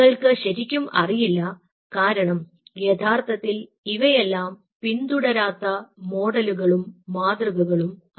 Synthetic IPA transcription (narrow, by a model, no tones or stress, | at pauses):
ɐɭkɨɕɐɾikʲːumɐ̰rijilːɐ | kaːɾɐɳɐm | jet̪ʰaːrt̪ʰɐt̪ːil | iʋɐjelːaːm | pind̪uɽɐɾaːt̪ːɐmo̞ːɽɐluɣɐɭumːaːd̪rɐɣɐɣɐɭum | ɐ